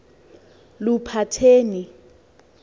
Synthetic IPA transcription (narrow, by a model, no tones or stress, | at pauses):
lupʰatʰeːni